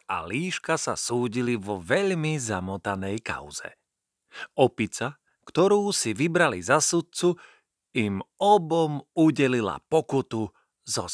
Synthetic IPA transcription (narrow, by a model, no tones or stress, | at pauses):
a̰liːʃkasa̰suːɟiliʋɔʋɛʎmizamɔt̪anɛjka̰ʊzɛ̰ | ʔɔpit͡sa | kt̪ɔɾuːsiʋibɾalizasut̪̚t͡su | imɔbɔmuɟɛlila̰pɔkut̪u | zɔ